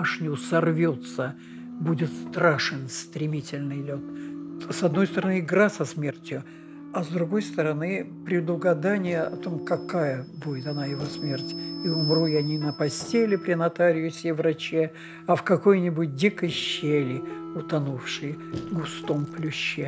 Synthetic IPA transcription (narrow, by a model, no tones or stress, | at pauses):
aʂnʲʊsɐrvʲot̪sə | budʲɪt̪st̪ɾaʂɨnst̪ɾʲɪmʲitʲɪlʲnɨjlʲo̞t̪̚sɐd̪no̞jst̪əɾɐnɨɪɡɾasɐsmʲertʲjʊ | ɐzd̪ɾʊɡo̞jst̪əɾɐnɨpɾʲɪd̪ʊɡɐd̪anʲɪjəɐt̪o̞mkɐkajəbudʲɪt̪ɐnajɪvo̞smʲe̞rtʲiʊmrujɐnʲinəpɐsʲtʲelʲɪpɾʲɪnɐt̪aɾʲɪjʊsʲevrɐt͡ɕe | ɐfkɐko̞jnʲɪbʊt̚ʲdʲikəjɕːelʲɪʊt̪ɐnufʂɨjɡʊst̪o̞mplʲʊɕːe